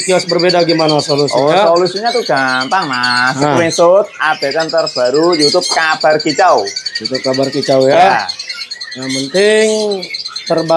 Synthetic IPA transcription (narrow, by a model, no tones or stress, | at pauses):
kiasbərbedaɡimanasolusɔasolusiɲat̪uɡ̥ampaŋmaskɾinsʊt̪̚ab̥akant̪ərb̥aɾudiut̪ʊp̚kab̥arkit͡ʃawjut̪ʊp̚kabarkit͡ʃawja | jaŋpənt̪ɪŋt̪ərba